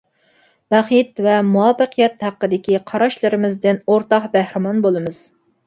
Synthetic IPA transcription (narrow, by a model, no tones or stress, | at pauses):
bæχit̪vɛmuɑpəqʰijɛt̪hæqːəd̪ɪkʲiqʰɑɾɑʃlˠɨɾɪmɪzd̪ɪnoɾt̪ɑqbæhɾɪmɑnbolˠɨmɨz̥